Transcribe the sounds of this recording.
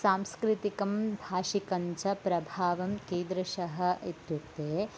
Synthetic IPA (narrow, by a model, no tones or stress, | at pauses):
saːmskɾɪt̪ikɐmbʱaːʃikɐɲt͡ʃɐpɾɐbʱaːʋɐmkẽːnd̪ɾɐʃɐɦɐ̆it̪juk̚t̪eː